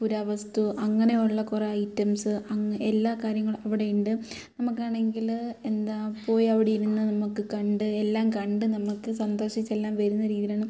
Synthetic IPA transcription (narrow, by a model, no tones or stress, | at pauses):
puɾaʋɐst̪uʔɐŋːɐne̞juɭːɐkureɐjtːɐmsɨɐelːaːkaːɾjɐŋːɐɭɐʋiɽe̞juɳɖɨ | nɐmukːaːɳe̞ŋɡile̞nd̪aːpo̞ːjiɐʋiɽejiɾunːɐnɐmukːɨkɐɳɖɨelːaːmkɐɳɖɨnɐmukːɨsɐnd̪o̞ːʂit͡ɕːelːaːmʋɐɾunːɐɾiːðilaːɳɨ